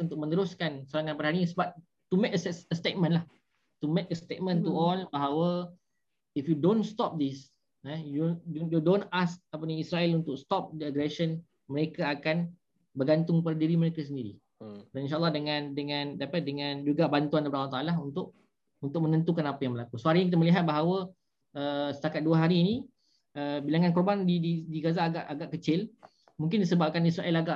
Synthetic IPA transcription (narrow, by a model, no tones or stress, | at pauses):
unt̪ʊk̚mə̃nəɾʊskansəɾaŋãnpadaɦaɾiɲsəbap̚ | t̪umekəsəst̪et̚mə̃nlah | t̪umek̚əst̪et̚mə̃nt̪uɔlbaɦawə | ifjudõnst̪ɔp̚d̪is | ɛjujudõnask̚apəniisɾaɛlunt̪ʊkst̪ɔp̚dəəɡɾɛsən | məɾekaakan | bərɡant̪ʊŋpadadiɾiməɾekas̬əndiɾḭ | daninʃaalːɑhdəŋãndəŋãndapadəŋãnd͡ʒuɡabant̪uanəbdalːaht̪aalaunt̪ʊk̚ | unt̪ʊk̚mənə̃nt̪ukanapajaŋməlakusoɦaɾinɲikit̪əməliɦat̪̚baɦawə | əsə̥t̪akat̪̚duəɦaɾiːni | əbilaŋankɔrbandididiɡazaɡaʔaɡaʔkət͡ʃɪl | mũŋkɪndisəbap̚kanisɾaʔɛlaɡaʔ